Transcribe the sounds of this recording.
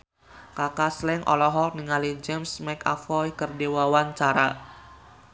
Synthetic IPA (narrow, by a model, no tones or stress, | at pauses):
kakaslɛŋʔɔ̰lɔɦɔk̚niŋalid͡ʒɛmsmɛka̰fɔjkərdewawant͡ʃaɾa